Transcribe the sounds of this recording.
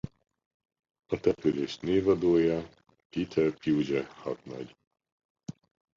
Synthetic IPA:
ɒt̪ɛpyleːʃneːvɒd̪oːjɒ | piːt̪ʰɛpjiud͡ʒɛhɒt̪nɒ̰ɟ

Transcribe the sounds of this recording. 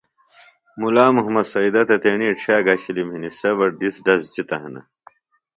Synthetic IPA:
mulaːmuɦmɐd̪sɐid̪ɐt̪ɐt̪eːɳiːʈ͡ʂʰaːɡɐɕilimhinisebɐɾɖisɖɐsd͡ʑit̪ɐɦɐ̰nɐ̰

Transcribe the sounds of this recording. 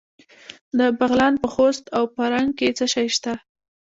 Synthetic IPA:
d̪əbaɣlɑnpəxost̪awpəɾaŋɡ̚ket͡səʃɑjʃt̪a

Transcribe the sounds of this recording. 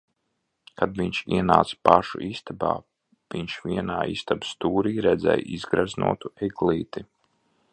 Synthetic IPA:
kad̪viɲt͡ʃiɛnaːt̪spaʃṵʔist̪aba̰ː | v̥iɲʃviɛnaːḭːst̪abst̪uːɾiːɾɛd̪zɛ̰jizɡɾaznṵɔt̪uɛɡlˠiːt̪i

